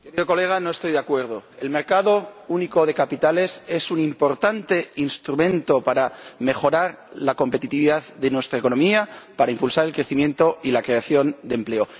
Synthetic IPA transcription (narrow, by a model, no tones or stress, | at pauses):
keɾiðo̞ko̞le̞ɣ̞ano̞est̪o̞jðeakwe̞ɾð̞o̞e̞lme̞ɾkaðo̞uniko̞ð̞e̞kapit̪ale̞se̞sunimpo̞ɾt̪ant̪e̞inst̪ɾumẽ̞nt̪o̞paɾame̞xo̞ɾaɾlako̞mpe̞t̪it̪iβiðaððe̞nwe̞st̪ɾaeko̞no̞miapaɾaimpulsaɾe̞lkɾe̞θimje̞nt̪o̞ilakɾe̞aθjo̞nd̪emple̞o̞